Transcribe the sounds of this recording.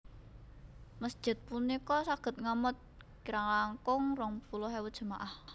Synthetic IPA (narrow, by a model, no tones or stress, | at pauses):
məsd̥ʒ̥ɪ̤t̪̚punikɔsaɡ̥ə̤t̪̚ŋamət̪̚ | kiɾaŋlaŋkʊŋrɔŋpulʊɦewət̪d̥ʒ̥əmaʔah